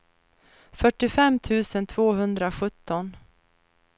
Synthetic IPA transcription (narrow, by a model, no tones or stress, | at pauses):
fœʈːɪfɛmːt̪ʰʉ̟ːsənt̪ʰv̥oːɦɵnd̪ɾaɧɵt̪ːɔn